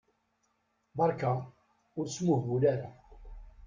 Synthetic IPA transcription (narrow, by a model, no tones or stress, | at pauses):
bɑɾˤka | ʊɾsmʊhvulaɾa